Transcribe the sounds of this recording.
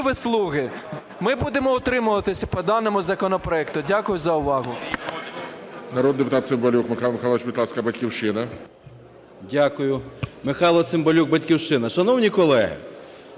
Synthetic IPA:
ʋɪslˠuɣɪ | mɪbud̪emɔɔt̪ɾɪmʊʋˠɐt̪ɪsʲɐpɔd̪ɑnemʊzɐkɔnɔpɾɔɛkt̪ʊdʲakʊjʊzɐʊʋɑɦʊ | nɐɾɔd̪d̪epʊt̪ɑt̪sɪmbɔlʲukmɪxɑlˠmexɑlˠɔʋɪt͡ʃbʲid̪lˠɑskɐbɐtʲkʲiwʃɪnɐ | dʲakʊjʊmɪxɑlˠɔt̪sɪmbɔlʲuk̚bɐtʲkʲiwʃɪnɐʃɐnɔwnʲikɔlˠɛɪ̰

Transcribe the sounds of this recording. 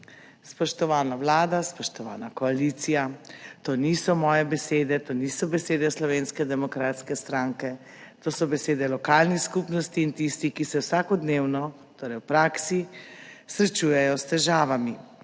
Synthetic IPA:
spɔʃt̪ɔʋaːnawlaːd̪aspɔʃt̪ɔʋa̰ːnakɔaliːt̪sijat̪oːnisɔmɔːjɛbɛseːd̪ɛt̪oːniːsɔbɛseːd̪ɛslɔʋeːnskɛd̪ɛmɔkɾaːt̪skɛst̪ɾaŋkɛ | t̪oːsɔbɛseːd̪ɛlɔkaːlnixskupnɔst̪iːnt̪ist̪ikisɛwsaːkɔd̪neːwnɔ | t̪oːɾɛjwpɾaːksisɾɛt͡ʃuːjɛjɔst̪ɛʒaːʋami

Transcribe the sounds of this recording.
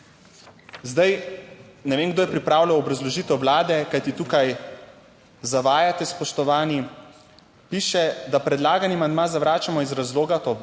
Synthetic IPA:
zd̪aj | nɛʋeːnɡd̪oːjɛpɾipɾaːwlawɔbɾazlɔʒiːt̪ɛwwlaːd̪ɛkajt̪it̪uːkaj | zaʋaːjat̪ɛspɔʃt̪ɔʋaːni | piːʃɛd̪apɾɛd̪laːɡanimand̪maːzaʋɾaːt͡ʃamɔizɾazloːɡat̪o

